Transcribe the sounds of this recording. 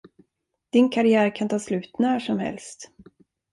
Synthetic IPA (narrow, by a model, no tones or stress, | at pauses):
d̪̥ɪnkʰaɾɪæːɾkʰant̪ʰɑːslʉ̟ːt̪næːʂɔmhɛ̰lst̪